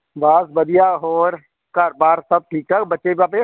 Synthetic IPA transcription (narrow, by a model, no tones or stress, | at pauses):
baːsbɐd̪ijaɔːɾ | kaːɾbaːɾsɐb̚ʈʰiːktaɡbɐtːt͡ʃebiaːpe